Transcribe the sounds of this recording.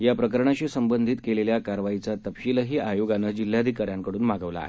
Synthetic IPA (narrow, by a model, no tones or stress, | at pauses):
japɾəkəɾɳaɕiːsəmbənd̪ʱit̪keleljakaɾʋait͡sat̪əpɕiləɦiːʔajoɡanːəd͡ʑil̤jad̪ʱikaɾjaŋkəɽuːnmaɡəʋla̰ːɦe